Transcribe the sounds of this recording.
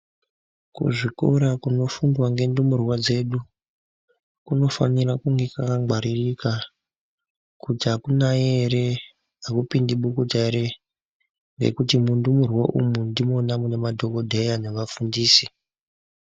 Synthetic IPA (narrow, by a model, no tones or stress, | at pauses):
kṵʐikoɾakuno̞fundwaŋɡe̞ndumurwad͡ze̞ɗu | kuno̞fa̰nirakuŋɡe̞kakaɡ͡baɾirika | kutiɦakunajeɾe̞ | akupindiɓukutaeɾe | ŋɡḛkutimundumurwaʔṵmundimo̞namunemadʱo̞ko̞dʱe̞jane̞ʋafundiːsi